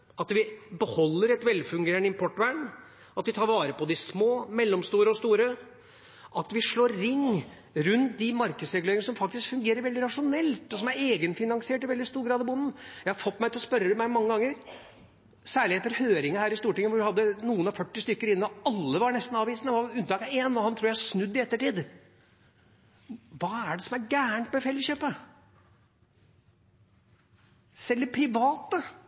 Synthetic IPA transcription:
ɑt̪ʋɪbəhɔlːəɾɛt̪ʋɛlfʉŋɡeːəɳəɪmpʰɔʈːʋæːɳ | ʔɑt̪ʋɪt̪ʰɑːɾʋɑːɾəpɔd̪ɪsmoːmɛlːɔmst̪uːɾəɔst̪uːɾə | ʔɑt̪ʋɪʂɭoːɾɾɪŋː | ɾʉnt̪̚d̪ɪmɑɾkəsɾɛɡʉleːɪŋəsɔmfɑk̚t̪ɪskfʉŋɡeːɾəɾʋɛld̪ɪɾɑʂʊnɛlt̪ɔsɔmæɾeːɡənfɪnɑŋsɪeːʈɪʋɛld̪ɪst̪uːɾɡɾɑːd̪ɔbʊnn̩jæɪhɑɾfɔt̪ːmæɪt̪ɪlɔspœɾːəd̪ɛmæmɑŋːəɡɑŋːəɾ | sæːɭɪheːt̪ːəɾhøːɾɪŋəhæːɾɪst̪uːʈɪŋːəʋʊɖɪhɑd̪ːənuːənɑfœʈːɪst̪ʏkːəɾɪnːɔɑlːəʋɑɾɳɛst̪n̩ɑːʋiːsnəʋɑʉnt̪ɑːkɑeːnɔhɑnt̪ʰuːɾjæɪhʂnʉd̪ːɪɛt̪ːəʈiːd̪ | ʋɑːæɖɛsɔmæɾɡæːəɳʈmɛfɛlːəɕøːpə | sɛlːəɾpʰɾɪʋɑːt̪ə

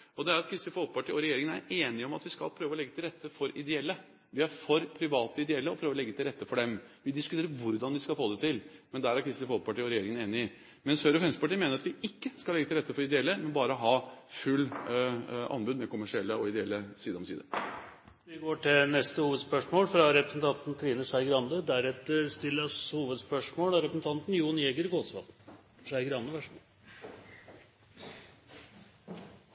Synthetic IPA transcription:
ɔd̪ɛæɾɑt̪kʰɾɪst̪ɪfɔlkpɑʈiːɔɾɛjeːɾɪŋənæ̰ɾeːnɪɔmɑt̪ʋɪskɑ̰lpʰɾøːʋəɔlɛɡːət̪ʰɪlɾɛt̪ːəfɔɾɪd̪ɛɛlːə | ʋɪæɾfɔɾpʰɾɪʋɑːt̪əɪd̪ɛɛlːəɔpʰɾøːʋɾɔlɛɡːət̪ʰɪlɾɛt̪ːəfɔɖɛmʋɪd̪ɪskʉt̪ʰeːɾəɾʋʊɾd̪ɑnd̪ɪskɑlfoːd̪ɛt̪ɪlmɛnd̪æːɾæɾkʰɾɪst̪ɪfɔlk̚pɑʈiːɔɾɛjeːɾɪŋəneːnɪɪ | mɛnsœɾɔfɾɛnst̪əpɑʈiːmeːnəɾɑt̪ʋɪɪkːəskɑlɛɡət̪ɪlɾɛt̪ːəfɔɾɪd̪ɛɛlːəmɛnbɑːɾəɔɦɑːfʉlː | ɑ̰nbʉd̪mɛkʰʊmæʂɪɛlːəɔɪd̪ɛɛlːəsiːd̪ɔmsiːd̪əɾ | ʋɪɡoːʈʰɪnɛst̪əhuːʋəd̪spœʂmoːlfɾɑɾɛpɾəsn̩t̪ʰɑnt̪n̩t̪ʰɾiːnəʂæɪɡɾɑnd̪əd̪æɾɛt̪əɾst̪ɪlːəɾshuːʋəd̪spœʂmoːlɑɾɛpɾəsn̩t̪ʰɑnt̪n̩juːnjeɡəɾɡoːsʋɑ̰t̪ʂæɪɡɾɑnd̪əʋæʂ

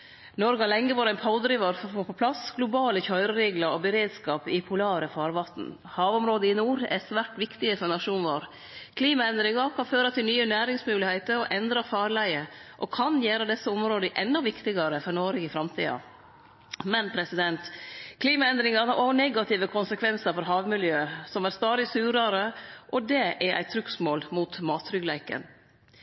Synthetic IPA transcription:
nɔɾɡɑlɛŋːəʋɑːɾæɪnpʰɑʊd̪ɾiːʋɑɾfɔfoːpʰɔpʰlɑsɡlʊbɑːləçœʏɾəɾeːɡlɑɾɔbəɾeːd̪skɑːpɪpʰʊlɑːɾəfɑːɾʋɑt̪n̩ | hɑːʋɔmɾoːd̪əɪnuːɾɛ̰sʋæʈʋɪkt̪ɪəfɔɾnɑʂuːnʋoːɾ | kʰliːmɑɛnd̪ɾɪŋɑɾkʰɑnføːɾɑt̪ʰɪlnyːənæːɾɪŋsmʉːlɪheɪt̪əɾɔʔɛnd̪ɾɑfɑːɾlæɪəʔɔkʰɑnjæːɾəd̪ɛsːəʊmɾoːd̪əʔɛnːɔʋɪkt̪ɪɡɑɾəfɔɾɳoːɾəɪfɾɑmt̪ʰḭːɑ̰ | mɛnpʰɾɛsɪd̪ɛnt̪kʰliːmɑɛnd̪ɾɪŋɑɾɑɾɔnɛɡɑt̪ʰɪʋəkʰʊnsəkʰʋɛnsəɾfɔɾɦɑːʋmɪljøːəsɔmæɾst̪ɑːd̪ɪsʉːɾɑɾəʔɔd̪ɛʔæɾʔæ̰ɪt̪ʰɾʉksmoːlmuːt̪mɑːt̪ʰːɾʏɡlæɪkə̰n

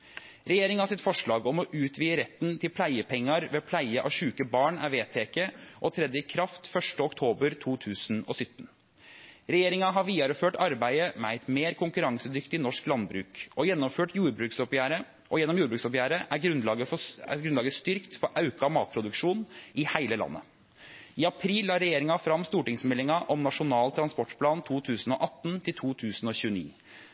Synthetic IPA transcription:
ɾɛjeːɾɪŋɑhɑsɪt̪fɔʂɭɑːɡɔmɔʔʉːt̪ʰʋiːəɾɛt̪ːnt̪ʰɪlpʰlæɪəpʰɛŋːɑɾʋɛpʰlæɪəʔɑ̰ʋʂʉːkəbɑːɳæɾʋeːt̪ʰeːkəʔɔt̪ʰɾɛd̪əɪkʰɾɑft̪fœʂʈəɔkt̪ʰoːbəɾt̪ʰuːt̪ʰʉːsnɔ̰sʏt̪ːn̩ | ɾɛjeːɾɪŋɑɦɑɾʋiːɑɾəføːʈɑɾbæɪəmɛæɪt̪meːɾkʰʊŋkʉɾɑŋsəd̪ʏkt̪ɪnɔʂklɑnbɾʉ̰ːkɔjɛnːɔmføːʈjuːɾbɾʉːksɔpjæːɾə | ʔɔjɛnːɔmjuːɾbɾʉːksɔpjæːɾəʔæɾɡɾʉnlɑːɡəfɔæ̰ɡɾʉnlɑːɡəst̪ʏɾkt̪fɔɾʔɑʉkɑmɑːt̪̚pʰɾʊd̪ʉkʂuːnɪhæɪləlɑ̰nːə̰ | ɪɑpʰɾiːlːɑːɾɛjeːɾɪŋɑfɾɑmːst̪uːʈɪŋsmɛlːɪŋɑʔɔmnɑʂʊnɑːlt̪ʰɾɑnspɔʈpʰlɑːnt̪ʰuːt̪ʰʉːsn̩ɔ̰ʔɑt̪ːnt̪ʰɪlt̪ʰuːt̪ʰʉːsn̩ɔçʉːənḭː

